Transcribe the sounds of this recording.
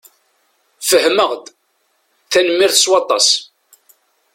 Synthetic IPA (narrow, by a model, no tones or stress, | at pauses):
fəhməʁd̪ | θænəmːiɾθəswɑt̪ˤːɑ̰s